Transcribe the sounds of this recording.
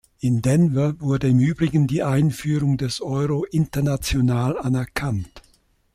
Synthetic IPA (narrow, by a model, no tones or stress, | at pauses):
ʔɪndɛnvəvʊɐdəɪmyːbʁɪɡən̩diːʔaɪnfyːʁʊŋdɛsʔɔʏʁoʔɪntɐnat͡sjonaːlanɛɐkʰant